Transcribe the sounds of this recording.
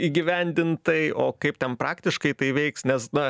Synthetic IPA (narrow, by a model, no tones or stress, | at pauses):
iːɡʲɪʋʲɛnʲd̪ʲɪnt̪ɐɪoːkɐɪp̚t̪ʲɛnpɾɑːkt̪ʲɪʃkɐɪt̪ɐɪʋʲɛɪksnʲɛsnɐ